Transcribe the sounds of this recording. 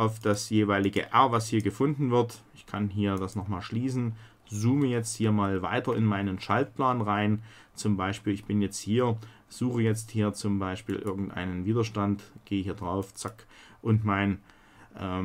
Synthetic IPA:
ʔaʊfd̥asjeːvaɪlɪɡə̰ʔɛɐvashiːɐɡəfʊndn̩vɪɐtʔɪçkʰanɦiːɐdasnɔχmaːlʃliːsn̩ | zuːməjɛt͡sthiːɐmaːlvaɪtɐɪnmaɪnənʃalt̚plaːnʁaɪn | t͡sʊmbaɪʃpiːlɪçb̥ɪnjɛt͡sthiːɐ | z̥uːxəjɛt͡sthiːɐt͡sʊmbaɪʃpḭːlʔɪɐɡŋ̩tʔa̰ɪnənviːdɐʃtantɡ̥eːəhiːɐdʁaʊft͡sakʔʊntmaɪn | ʔɛː

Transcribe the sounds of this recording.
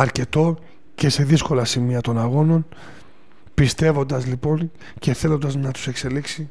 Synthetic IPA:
ɐɾce̞t̪o̞ | ce̞se̞ðisko̞lɐsimiɐt̪o̞nɐɣo̞no̞n | pist̪e̞vo̞nd̪ɐzlipo̞n | ce̞θe̞lo̞nd̪ɐznɐt̪u̥se̞kse̞liksi

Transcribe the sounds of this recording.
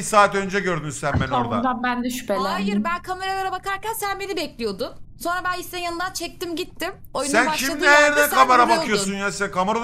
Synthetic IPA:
saːt̪ø̞nd͡ʒɛɟø̞ɾd̪ymysænmɛnoɾd̪a̰d̪abænd̪ɛʃy̥pelæajiɾbænkʰameɾajeɾabakaɾcænsænbe̞nibɛclʲijo̞d̪ʊnso̞nɾabænist̪ɛnjanɯnd̪ant͡ʃʰɛc̚t̪imɟit̪ʰːimojunsænbaʃcʰimˠaniajɛɾd̪ɛkʰamaɾabakʰɯjosunjaskʰamaɾo

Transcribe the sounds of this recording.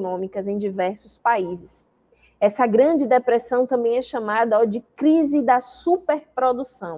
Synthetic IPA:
nõmikɐzẽj̃d͡ʒivɛɾsʊspaizɪs | ɛsɐɡɾɐ̃d͡ʒɪd̪epɾɛsɐ̃w̃t̪ɐ̃mbẽj̃ɛʃɐ̃mad̪ɐod͡ʒɪkɾizɪd̪ɐsupeɾpɾod̪usɐ̃w̃

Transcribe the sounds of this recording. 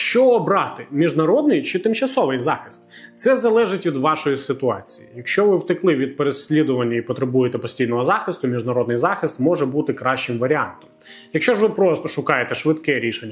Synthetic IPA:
ʃt͡ʃɔːbɾɑt̪ɪmʲiʒnɐɾɔd̪nɪjt͡ʃɪt̪ɪmt͡ʃɐsɔʋɪjzɑxɪ̥st̪ | t̪sɛzɐlˠɛʒɪtʲʋʲid̪ʋɑʃɔjisɪt̪ʊɑt͡sʲijḭjɐkʃʲt͡ʃɔʋɪwt̪ɪklˠɪʋʲid̪̚peɾesʲlʲid̪ʊʋɐnʲːɐipɔt̪ɾebujɪt̪ɛpɔsʲtʲijnɔɦɔzɑxɪst̪ʊmʲiʒnɐɾɔd̪nɪjzɑxɪst̪mɔʒɛbut̪ɪkɾɑʃt͡ʃɪmʋɐɾʲiɑ̰nt̪ɔ̥m | jɐkʃt͡ʃɔʒʋɪpɾɔst̪ɔʃʊkɑjet̪ɛʃʋɪt̪kɛɾʲiʃenʲːɐ

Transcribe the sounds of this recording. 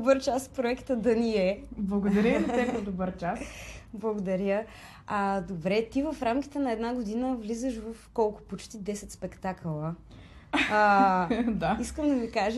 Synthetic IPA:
bəɾt͡ʃaspɾoɛkt̪əd̪ɐniɛblˠɐɡod̪ɐɾʲjəzt̪ɛpnɐd̪obəɾt͡ʃasblˠɐɡod̪ɐɾʲjə | ad̪obɾɛt̪ivəfɾamki̥t̪ɛnɐɛd̪naɡod̪inəvlizəʃvəfkɔlˠkʊ̥pot͡ʃt̪id̪ɛsɛt̪spɛkt̪aklˠə | d̪aiskəmd̪ɐmikaʒə

